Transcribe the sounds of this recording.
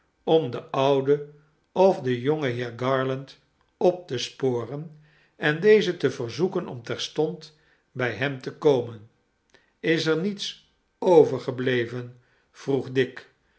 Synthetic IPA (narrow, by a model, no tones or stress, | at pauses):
ɔmdəʔʌwdə | ɔfdəjɔŋəɦɪːɹɡɑːɹlənt | ɔp̚təspoːrən | ɛndejzətəvəɹzukənʔɔ̰mtɛɹstɔnt | bɛjɦɛmtəkowmən | ɪsɛɹnits | owvəɹχəblejvən | v̥ruχdɪk